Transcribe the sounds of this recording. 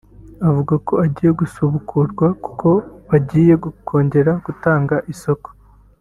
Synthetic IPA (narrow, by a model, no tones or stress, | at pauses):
avuɡako̞aɟiːje̞ɡusuβukʰuɾɡwaku̥ko̞βaɟiːje̞ɡukʰo̞ːɲɟe̞ɾaɡ̥utaːŋɡaʔiso̞ko̥